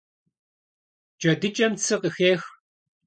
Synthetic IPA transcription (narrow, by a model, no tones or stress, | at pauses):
d͡ʒɐdɨt͡ʃʼɐmt͡sʰɨqəxeːx